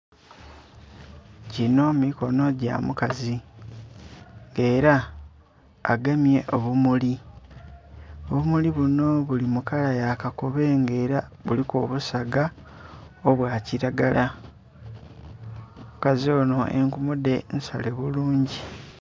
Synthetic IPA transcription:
cino̞miko̞no̞ɟa̰mukazi | ŋɡe̞ːɾa | ɡamje̞ʔo̞βumuli | oβumuliβuno̞βulimukalajakakuβe̞ŋɡe̞ːɾaβulikoβusaɡa | oβwaːciɾaɡala | mukazio̞ːno̞ḛŋkumude̞nsa̰le̞βuluːɲɟi

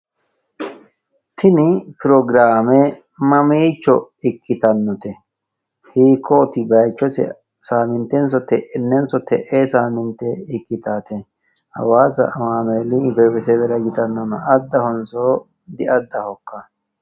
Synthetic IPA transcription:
t̪ʰɪnɪpɪɾɔɡɾaːme | mɐmiːt͡ʃːɔ | ɪkːɪt̪ɐnːɔt̪ɛ | hiːkʰːɔt̪ɪbɐjt͡ʃːɔtɛ̰ | saːmɪnt̪ɛnsɔt̪ɛʔɛnːɛnsɔt̪ʰɛ̰ʔesaːmɪnt̪ɛɪkːɪt̪aːt̪ɛ | hɐ̰waːsɐ̰ʔɐmaːneːlibɛwɛsɛbɛɾɐɡɪt̪ɐnːɔnɐʔɐd̪ːɐhɔnsɔ | d̪ɪʔɐd̪ːɐhɔkːɐ

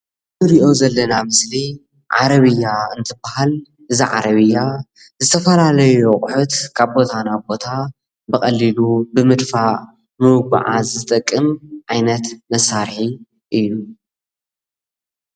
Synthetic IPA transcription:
tɨɾiʔo̞zɐlːɐnamɨsli | ʕa̰ɾɐβɨjːaɨnt̪ʰɨbahal | ʔɨziʕa̰ɾɐβɨjːa | zɨt̪ʰɐfɐlalɐjuχʼħut̪kʰaβbo̞t̪ʰanabo̞t̪ʰa | bɨxʼɐlːilubɨmɨd̪faʔ | mɨwɡʷa̰ʕazɨt̪ʼɐkʼːɨmʕajnɐt̪mɐsːaɾħi | ʔɨjːu

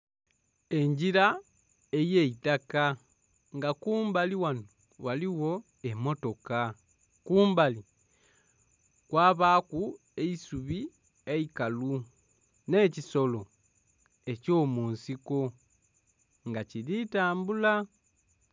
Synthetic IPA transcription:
e̞ɲɟiɾa | ejeitaka | ŋɡakuːmbaliwano | waliwo̞ | emo̞to̞ka | kuːmbali | kwaːβaːku | e̞isuβi | eikalu | ne̞ciso̞lo̞ | e̞co̞ːmuːnsiko̞ | ŋɡacilitaːmbula

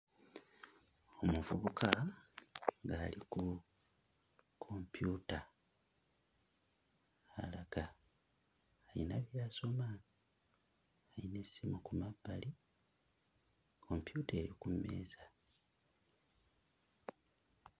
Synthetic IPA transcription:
o̞muvuβukʰa | ŋɡaːliku | kʰo̞mpjuta | a̰laɡ̥a | jinaβjaːso̞ma | ajine̞simukumabːali | kʰo̞mpjute̞jokumːe̞̰ːza

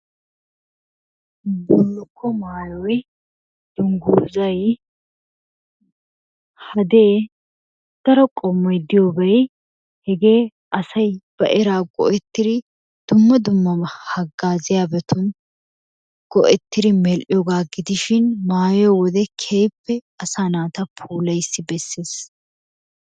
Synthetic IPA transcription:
bɔlːʊkːɔmaːjɔj | d̪̥ʊŋɡuːzɐj | hɐd̪eː | d̪̥ɐɾɔkʼɔmːɔjd̪ɪjoːbɐj | hɛɡe̞ː | ʔɐsɐjb̥ɐ̰ʔɛɾaːɡɔ̰ʔɛt̪ːɪɾɪ | d̪̥ʊmːɐd̪ʊmːɐmɐhɐɡːaːzɪjaːbɛt̪ʰʊn | ɡ̥ɔʔɛt̪ːɪɾɪmɛlʔɪjɔɡaːɡɪd̪ɪʃɪnmaːjɔwɔd̪ɛkʰeːpːɛ | ɐsaːnaːt̪ɐpʰuːlɐjsːɪbɛsːeːs

